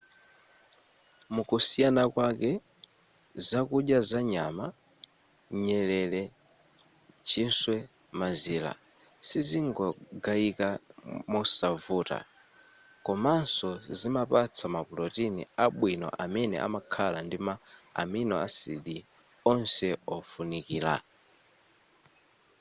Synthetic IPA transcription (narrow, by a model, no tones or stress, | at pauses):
mukusijanakwakɛ | zakuɗjazaɲama | ɲɛlɛlɛ | t͡ʃʰinswɛ | maziːla̰ | siziŋɡɔɡaikamɔsavuːta̰ | kɔmansɔzimapat͡sʰamapulɔtinḭaɓwinɔ̰ʔamɛnɛ̰ʔa̰makʰalandima̰ːminɔasiɗi | ɔnsɛɔfunikiːla̰